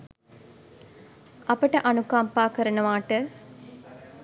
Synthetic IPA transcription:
ɐpəʈəʔɐnukaːmpaːkəɾənəʋaːʈə

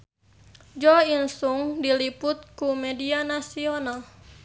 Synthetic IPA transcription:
d͡ʒɔinsuŋdilipʊt̪̚kumɛdianasional

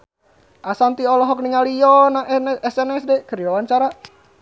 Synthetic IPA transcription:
ʔasant̪iɔlɔɦɔk̚niŋaliɔnaɛsɛnɛsdɛkəɾiwawaɲt͡ʃaɾa

